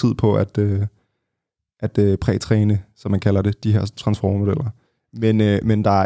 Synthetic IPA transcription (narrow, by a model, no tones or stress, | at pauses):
ið̰ˠpʰɒ̽ʔæd̥ø | ʔæd̥øpʰʁɛ̰ːt͡sʰʁɛːnəsɒ̽mːænkʰælɐd̥e̝d̥iɦeɐ̰st͡sʰʁɑ̈nsfɒ̰ːmo̝d̥el̰ɐ | menømend̥ɑ̈æɐ